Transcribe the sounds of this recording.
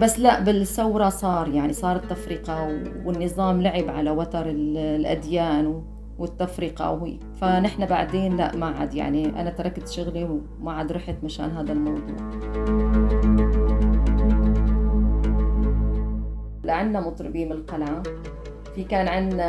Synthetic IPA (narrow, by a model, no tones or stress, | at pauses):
basːlaʔbɪlsawɾˤɑsˤɑːɾˤjaʕnisˤɑːɾˤt̪ːafɾiːqɑwwɪnːɨzˤɑːmlaʕɪbʕalawɑt̪ɑɾˤɪllʔa̰d̪jaːnw | wɪt̪ːafɾiqɑ̰hḭː | fanɪħnabaʕd̪eːnla̰ʔmaʕa̰d̪ja̰ʕniʔa̰nat̪ɑɾˤɑkːazʃʊɣli | maʕad̪ɾˤɑħɪt̪maʃa̰ːnɦaːd̪almɑwd̪ˤṵːʕ | laʕanːamʊt̪ˤɾɨbiːmɪlqala | fikaːnʕɪnːa